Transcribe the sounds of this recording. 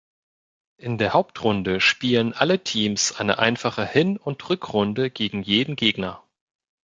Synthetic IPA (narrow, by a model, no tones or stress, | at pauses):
ʔɪndeːɐhaʊp̚tʁʊndəʃpiːlənʔalətʰiːmsʔaɪnə̰ʔa̰ɪnfaχəhɪnʊntʁʏkʁʊndəɡ̥eːɡŋ̩jeːdn̩ɡeːɡnɐ